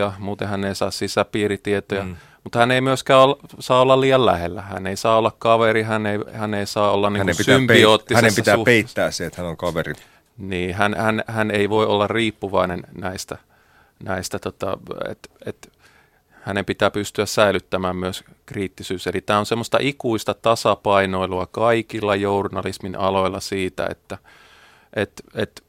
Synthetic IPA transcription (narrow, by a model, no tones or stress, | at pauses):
ɑmuːt̪ẽhænːeisɑːssisæpiːrit̪iet̪ojɑ | mut̪hæneimyøskæːolːsɑːolːɑlliːjɑllæ̰helːæhæ̰neisɑːolːɑkkɑʋeɾihæneihæneisɑːolːɑnniækneisympioːt̪ːihænempit̪æːpeiːæːsseet̪hænolkɑʋeri | niːhænhænhæneiʋoiʔolːɑrriːpːuʋɑinennæist̪æ | næist̪æt̪ot̪ɑ̰ḛt̪ḛt̪ | hænempit̪æːpyst̪yæssæilyt̪ːæmæːmmyøs | kriːt̪ːisyːselit̪æːonsemːost̪ɑ̰ʔikuist̪ɑt̪ɑsɑpɑinoiluɑkɑikilːɑjournɑlisminʔɑloilːɑsiːt̪æ̰ḛt̪ːæ | ʔet̪et̪